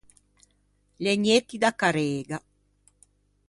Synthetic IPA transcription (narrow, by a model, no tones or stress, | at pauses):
leɲet̪ːid̪akːaɾeːɡa